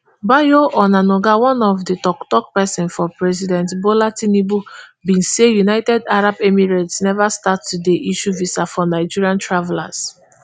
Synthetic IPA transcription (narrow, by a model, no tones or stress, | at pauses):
bajoʔɔnanoɡawɔ̃nɔfdətɔktɔk̚pɛsɛ̃nfɔpɹɛzidɛ̃ntbolatinibubĩnsejunaɪtɛdaɹabemiɹatsnɛvastattːudeʔiʃuvisafɔnaɪd͡ʒiɹiãntɹavɛla̰s